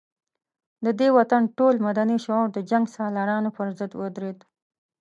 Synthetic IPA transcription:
d̪əd̪ewat̪anʈolmad̪aniʃɔɾd̪əd͡ʒaŋɡsɑlɑɾɑnopəɾzəd̪wəd̪ɾed̪

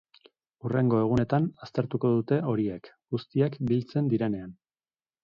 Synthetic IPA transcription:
ure̞ŋɡo̞e̞ɣ̞une̞t̪anast̪e̞ɾt̪uko̞ðut̪e̞o̞ɾiek | ɡ̥ust̪iakbilt͡se̞nd̪iɾe̞ne̞an

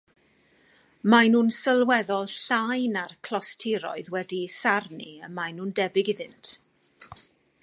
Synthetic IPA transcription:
majnuːnsəlˠwɛðɔlˠɬajnarkʰl̥ɔstʰɪɾɔ̰ɨðwɛdisarniəmajnuːndɛbɪɡɪðɨntʰ

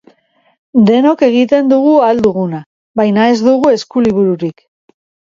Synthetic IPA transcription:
d̪e̞no̞ke̞ɣit̪e̞nd̪uɣ̞uald̪uɣuna | βajnaezd̪uɣue̞skuliβuɾuɾik

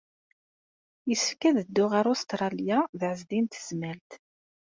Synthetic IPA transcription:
jəskːæðəd̪ːʊʁaɾost̪ɾˤɑljaðʕəzd̪int̪z̥mælt̪

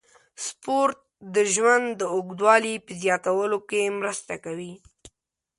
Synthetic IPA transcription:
spoɾt̪̚d̪əʒwand̪d̪ːəoɡd̪wɑlipəzjɑt̪awəlokemɾəst̪akawi

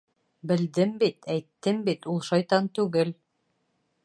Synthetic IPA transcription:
bɘ̆ld̪ɘmbit̪æjt̪ːɘmbit̪ulˠʃɑjt̪ɑnt̪ʉɡɘl

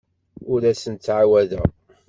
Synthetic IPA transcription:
ʊɾæsənt̪t͡sːʕawæðæ̰

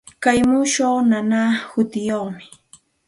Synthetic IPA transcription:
kajmuʃoːnanaːhʊt̪ɪjoχmɪ̥

